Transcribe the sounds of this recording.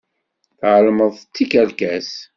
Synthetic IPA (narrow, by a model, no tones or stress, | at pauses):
θʕəlməðˤt͡sːikælkæs